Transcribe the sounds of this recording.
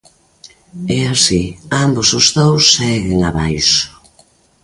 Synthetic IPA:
ɛasiambʊsʊzðowsːɛɣɪŋaβajsʊ̥

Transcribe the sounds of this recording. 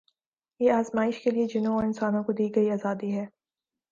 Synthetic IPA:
jeːaːzmaːɪʃkelied͡ʒɪnõɔːɾɪnsaːnõkod̪iːɡɐiaːzaːd̪iɦɛː

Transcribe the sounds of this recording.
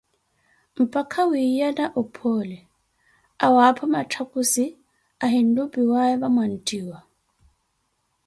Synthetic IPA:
m̩pʼakʰawijanaʔɔpʰɔlɛ | awapʰɔmatʰakʼusi | aɦin̩dupʼiwaɛβamwan̩tʼiːwa

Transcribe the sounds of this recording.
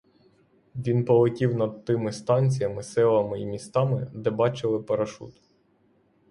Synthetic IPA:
ʋʲinpɔlˠɪkʲiwnɐd̪̚t̪ɪmɪst̪ɑnʲt͡sʲijɐmɪsɛlˠɐmɪimʲist̪ɑmɪd̪ɛbɑt͡ʃɪlˠɪpɐɾɐʃṵt̪

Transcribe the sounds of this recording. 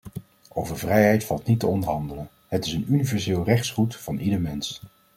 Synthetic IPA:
ʔowvəɹvrɛjɦɛjtfɑlˠtnitəɔndəɹɦɑndələn | ɦətɪsənynivɛɹzɪːlˠrɛχtsχutfɑnʔidəɹmɛns

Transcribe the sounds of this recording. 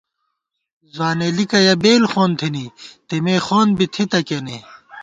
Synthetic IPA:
zwaːnelikɐjɐbeːlxoːnt̪ʰinit̪emeːxoːnbit̪ʰit̪ɐkene

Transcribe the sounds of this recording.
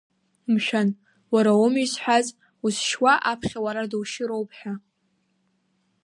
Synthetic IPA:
mʃᶣan | waɾaomisħʷᶣaz | usʃwaʔapʰχʲawaɾadwʃɪɾowpʰħᶣa

